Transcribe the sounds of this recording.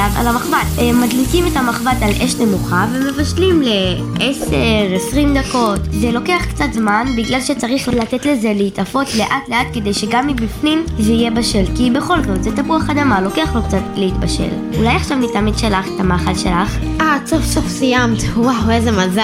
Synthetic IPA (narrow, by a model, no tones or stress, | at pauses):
ava̰lamaχvatemːadlikimetamaχvatalʔeʃne̞muχaveme̞vaʃlimle̞ | ʔeseʁesʁimd̪ako̞tzelo̞keaχkt͡sat̪zmanbiɡlalʃet͡saʁiχlatetle̞ze̞leitafo̞tle̞ʔatle̞atke̞d̪e̞jʃe̞ɡamːibifnimzeijebaʃe̞lkibe̞χo̞lzotzet̪abuaχad̪amalo̞keaχlo̞k̚t͡satleitbaʃḛl | ulajaχʃavnitamidʃelaχetamaχalʃe̞laχ | asofsofsijamt̪wawezemaza